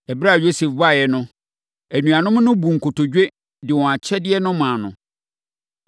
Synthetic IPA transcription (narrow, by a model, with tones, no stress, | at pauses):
ɛ˨bɾa˦˨jo˦se˨fba˦˨jɛ˨nʊ̃˦ | æ˨nũ˨a˨nʊ̃˦m˦nʊ̃˦bu˨ŋ̩˨kʰo˨tʰo˨d͡ʑᶣe˦ | dɪ˨wɔ̃˨a˨t͡ɕʰɛ˦dɪ˦ɛ˦nʊ̃˦mãː˨nʊ̰̃˨